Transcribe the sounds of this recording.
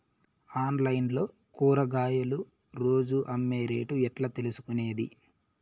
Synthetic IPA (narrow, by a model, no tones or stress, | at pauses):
aːnlɐjnlo̞ː | kuːɾɐɡaːjɐlu | ɾo̞ːd͡ʒuʔɐmːe̞ːɾḛːʈuɛʈlɐt̪e̞lusu̥kune̞ːd̪ḭ